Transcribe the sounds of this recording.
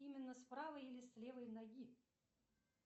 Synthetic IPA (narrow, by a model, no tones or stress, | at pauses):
imʲɪnːəspɾavəjilʲɪslʲevɨjnɐɡʲi